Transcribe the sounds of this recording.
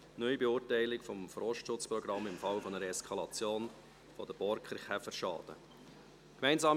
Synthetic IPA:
nœʏibeʊːɾtæɪlɪkfɔmfrɔʃtʃʊt͡sprɔɡɾɑmːɪmfɑlfɔnəɾəɛskʰɑlɑt͡sjoːn | fɔd̥̪əb̥ɔɾkχəɾχɛfəɾʃɑ̰ːd̪̥ə̰ | kmæɪnzɑːm

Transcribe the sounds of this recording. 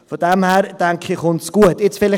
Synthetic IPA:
fodɛmhɛɾd̥ɛŋkʰɪχʊnsɡ̥uətɪt͡sfɪlɪ

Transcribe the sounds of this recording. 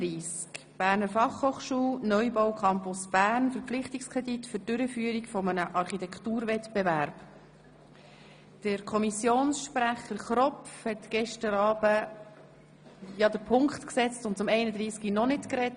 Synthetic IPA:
iːsk | b̥æːɾnəɾfɑχhoːχʃuːlnœʏbɔʊwkʰɑmpʊsb̥æːɾnfəɾpflɪχtikskʰʁɛditfʏd̥ʏɾəfyːəɾikfɔmənəʔɑɾχitɛkʰtuːɾvɛtbevæɾb | d̥əɾkʰɔmisjoːnsʃpɾæχəɾχɾɔpfhɛtɡ̥ɛʃtəɾɑːb̥ə | jɑd̪əɾpʰʊŋkχt̪ksɛt͡stʊntt͡sʊmɛɪnəd̪ɾiːskinɔnɪtkɾɛt

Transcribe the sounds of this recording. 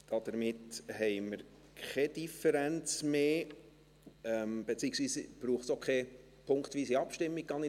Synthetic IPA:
d̥ɑd̥̪əɾmɪtɦɛɪməɾ | kɛd̥ifɛɾænt͡smeː | ɛmb̥et͡siːəksʋiːsb̥ɾuːχtsokχe | pʰʊŋkt̪ʋiːsiɑpʃtɪmːiɡ̚ɡɑnɪ

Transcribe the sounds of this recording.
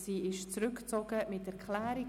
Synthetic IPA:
siːɪʃt͡sɾʏkt͡sɔɡ̥əmɪtɛɾkʰlæːɾi

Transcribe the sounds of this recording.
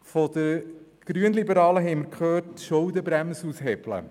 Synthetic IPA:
fɔd̪əɾ | ɡ̥ɾyənlibəɾɑːləɦɛɪməɾkχøːtʃowd̪əbɾæmsusɦɛb̥lə̰

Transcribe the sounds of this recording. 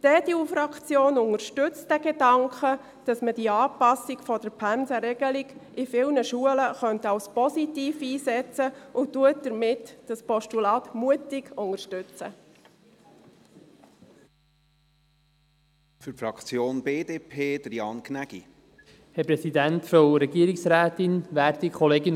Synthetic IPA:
d̥ɛːdiufɾɑkχt͡sjoːnʊŋəɾʃtʏt͡std̥ɛɡedɑŋkʰχə | d̥ɑsməd̥iəɑːpɑsiɡfɔdəɾpʰænzəɾɛɡəlɪɡʔɪfɪlnəʃuələχœntɑwspɔsitiːfiːsɛt͡səʔʊtːuət̚d̥əɾmɪtd̥ɑspɔʃtulɑːtmuətɪɡʊŋəɾʃtʏt͡sə̰ | fyɾfɾɑkt͡sjoːnbeːd̪eːpʰeːd̥̪əɾjɑːnkʰnæɡ̥ḭ | hɛpɾɛsid̪ænt̪fɔɾɛɡiəɾiksɾæːt̪ɪnʋæːɾtikʰɔleːɡɪn

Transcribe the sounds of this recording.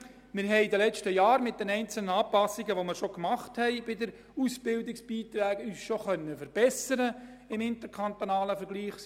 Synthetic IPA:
mɪɾɦɛɪdəlɛt͡ʃtəjɑːɾmɪt̚d̥ɛnɛɪnt͡sl̩nəɑːpɑsiɡəʋomɪɾʃokmɑχthɛɪb̥ɪdəɾ | usb̥ɪldɪksb̥iːt̪ɾɛːɡ̥yːsʃoχœnːəfəɾb̥ɛsəɾə | ɪmɪnt̪əɾkʰɑnt̪onɑːləfəɾɡ̥liːχ

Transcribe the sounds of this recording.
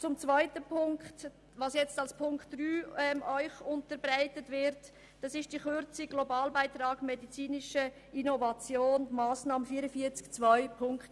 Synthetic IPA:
t͡sʊmt͡svaɪtəpʰʊŋkt | vɑːsjɛt͡stɑlspʰʊŋktd̥ryːɛmœʏχʊntəɾbɾaɪtətvɪɾt | d̥ɑsɪʃd̥iχøɾt͡siɡ̥lobɑːlbaɪtɾɑːɡ̥mɛdit͡siːnɪʃə | inovɑt͡sjoːnmaːsnɑːməfiːəɾəfiːət͡skt͡svɔʏpʰʊŋkt

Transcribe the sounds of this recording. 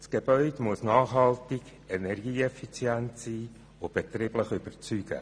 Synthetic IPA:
sɡ̥ebœʏdmʊəsnɑːχɦɑltɪɡ̥ | ɛnɛrɡiːɛfit͡sjɛnt̪siː | ob̥et̪riːb̥ləχʏb̥əɾt͡syːɡ̥ə̰

